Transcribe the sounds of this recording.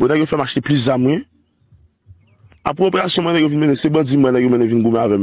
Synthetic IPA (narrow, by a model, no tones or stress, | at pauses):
onɛkofɛmaʃplizamwɛ̃ | a̰pɣɛopeɣasjɔ̃m̃ɛ̃nɛ̃kovinmenẽsebãd͡zĩm̃ɛ̃nɛ̃komɛ̃nẽvinɡomɛ̃avɛm